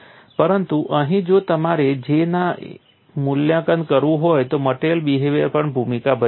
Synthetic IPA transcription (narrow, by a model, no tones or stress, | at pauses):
pəɾənt̪uʔə̃ɦĩd͡ʒoːt̪əmaɾed͡ʑenã | mʊljãkən̚kəɾʋũɦoːjt̪oməʈelɓiːɦeʋepəɳbʱumikabə